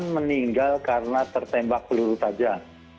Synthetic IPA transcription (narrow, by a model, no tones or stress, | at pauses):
nməniŋɡalkaɾənat̪ərt̪ɛmbak̚bəluɾut̪ad͡ʒa